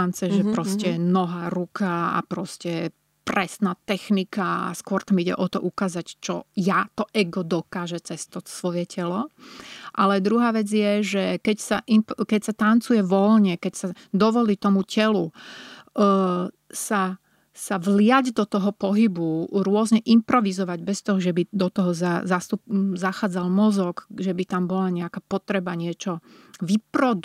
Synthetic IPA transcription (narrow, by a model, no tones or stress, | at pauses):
ant͡sɛʒɛpɾɔscɛnɔɦaːɾukaa̰pɾɔscɛ | pɾɛsnaːt̪ɛxnikaa̰skʊɔɾt̪amiɟɛ̰ʔɔt̪ɔʔukaːzact͡ʃɔ̰jat̪ɔʔɛɡɔd̪ɔkaːʒɛt͡sɛst̪ɔt̪sʋɔjɛcɛlɔ | ʔalɛd̪ɾuɦaːʋɛd͡zjɛʒɛkɛcsaʔimpkɛcsat̪ant͡sujɛʋɔlɲɛkɛcsa | d̪ɔʋɔliːt̪ɔmucɛlu | sa | saʋlɪaɟd̪ɔt̪ɔɦɔpɔɦibuɾʊɔzɲɛʔimpɾɔʋizɔʋaɟbɛst̪ɔɦɔʒɛbid̪ɔt̪ɔɦɔzazast̪upzaxaːd͡zalmɔzɔɡʒɛbit̪ambɔlaɲɛakaːpɔt̪ɾɛbaɲɪɛt͡ʃɔ | ʋipɾɔd̪